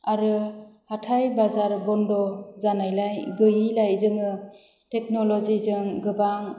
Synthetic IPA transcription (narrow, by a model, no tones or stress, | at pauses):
aɾɯhatʰajbazaɾbɔndɔzanajlajɡɯjilajzɯŋɯ | tek̚nɔlɔzizɯŋɡɯbaŋ